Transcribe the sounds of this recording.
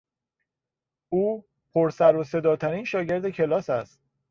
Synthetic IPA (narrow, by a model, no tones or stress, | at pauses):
uː | pʰoɾsæɾose̞d̪ɒːt̪ʰæɾiːnʃɒːɟe̞ɾd̪ecʰe̞lɒːsæst̪̚